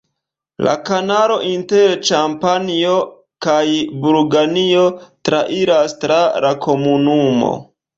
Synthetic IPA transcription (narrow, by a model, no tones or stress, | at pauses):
la̰kanalo̞ʔinteɾt͡ʃampanio̞ | kajbuɾɡaniotɾaʔiɾastɾaɾakʰo̞munumo̞̰